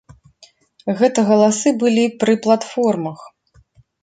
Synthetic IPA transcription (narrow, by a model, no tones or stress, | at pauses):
ɣɛt̪ɐɣɐlˠasɨbɨlʲipɾɨplˠat̪fɔrmɐx